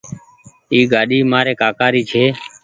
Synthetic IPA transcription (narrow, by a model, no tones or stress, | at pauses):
iːɡaːɗiːmaːɾeːkaːkaːɾiːt͡ʃʰeː